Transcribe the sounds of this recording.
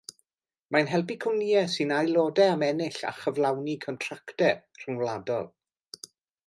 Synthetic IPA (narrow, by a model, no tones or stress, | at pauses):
manɦɛlˠbikʰəwniːɛsɨnajlˠoːdɛamɛnɪɬa̰χəvlˠawnikʰɔntʰraktɛr̥əŋwlˠadɔ̰lˠ